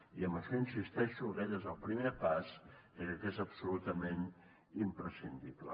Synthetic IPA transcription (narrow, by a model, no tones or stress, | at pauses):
iəməʃɔinsist̪ɛʃuɣɛʎəezəlˠpɾimepasəkək̪ezəpsulut̪əmen | impɾəsind̪iblə̰